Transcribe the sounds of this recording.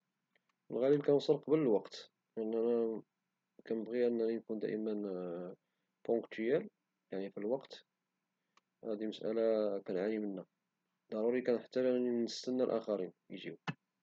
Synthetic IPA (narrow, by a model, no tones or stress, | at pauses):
əlɣælibkænsˤəɾqɑbələlwɑqt̪ | ʔənːænæ | kænəbɣiʔənːænænkund̪æ̰ʔəmən | põkt̪jæl | jaʕnifilwɑqt̪ | hæd̪iməsʔæ̰lakænʕanimənːæ | d̪ːɑɾˤuɾikænħat̪ːæænnnəst̪ənːælʔæ̰xɑɾinjʒiw